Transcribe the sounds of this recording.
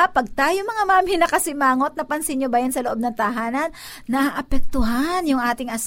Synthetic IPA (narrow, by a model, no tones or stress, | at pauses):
pɐɡ̚t̪aːjomɐŋamaːmhɪnɐkɐsɪmaːŋo̞t̪̚nɐpɐnsɪnɲobajɐnsɐloʔo̞b̚nɐŋt̪ɐɦaːnɐnː | ɐʔaʔɐpɛk̚t̪ʊɦanjʊŋʔaːt̪ɪŋʔɐs